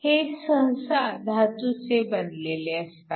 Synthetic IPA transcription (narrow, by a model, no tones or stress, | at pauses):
hesəɦsad̪ʱat̪ut͡sebənleleəst̪a